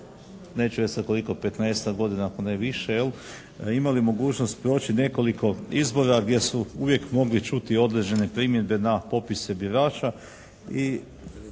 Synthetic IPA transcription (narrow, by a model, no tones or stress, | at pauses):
ne̞ːt͡ʃuβesat̪̚ko̞liko̞pe̞t̪nejst̪aɡo̞d̪inaːkoneʋiʃejel | imalimo̞ɡuːt͡ʃno̞st̪pɾo̞ːt͡ʃine̞ko̞liko̞izbo̞ɾaɡd̪je̞suuʋje̞kmo̞ɡlit͡ʃut̪io̞d̪ɾe̞d͡ʑe̞ne̞pɾimjed̪̚be̞napo̞pisebiɾaːt͡ʃa | i